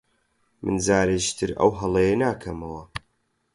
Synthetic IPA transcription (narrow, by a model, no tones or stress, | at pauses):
mʔɨ̰nzaːɾeʒi̥t̪ʰɨɾɐ̰wɦɐlˠɐjenaːkʰɐmɐwɐ